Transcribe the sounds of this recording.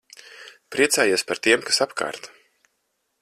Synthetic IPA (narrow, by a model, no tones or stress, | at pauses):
pɾiɛt̪saːjuɔspaɾt̪iɛmkḁsapka̰ːɾt̪